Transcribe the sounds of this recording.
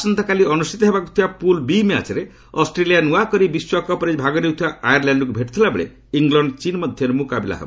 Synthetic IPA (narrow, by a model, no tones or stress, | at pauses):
sɔnt̪ɔkaliɔnusʈit̪ɔɦebakut̪ʰibapulbimea̰t͡ʃeɾe | ɔsʈɾelijanuakɔɾibiswɔkɔpɔɾed͡ʒbʱaɡɔɾewt̪ʰibaajaɾlaɳɖɔkubʱeʈi̥t̪ʰilabḛɭḛ | iŋɡlɔɳɖt͡ʃinmɔd̪ʱjʌɾemukabela̰ɦḛbɔ